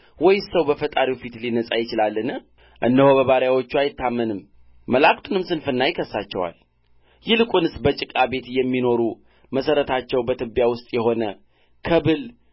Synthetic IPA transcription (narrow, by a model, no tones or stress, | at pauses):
wɔjsəwbəfət̪ʼaɾifit̪linəsʼajɪt͡ʃɪlalːɨnɨ | ʔɨndəhoβəβaɾjawo̞t͡ʃːuajɪt̪ːamːənɨmː | əlakʼt̪ʼunɨmsɨnfɨnːajɪkʰəsːat͡ʃːɛ̰wa̰l | jɪlɨkʼunɨsbət͡ʃʼɪkʼabe̞t̪jɛmːino̞ɾu | məsəɾət̪ʰat͡ʃːɛwbət̪ʰɨbːjawʊst̪ʼjɛho̞nə | kʰəbɨl